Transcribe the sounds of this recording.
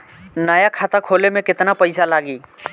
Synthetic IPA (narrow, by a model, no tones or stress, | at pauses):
nəjakʰaːt̪akʰoːlemẽkɪt̪napəɪsalaːɡiː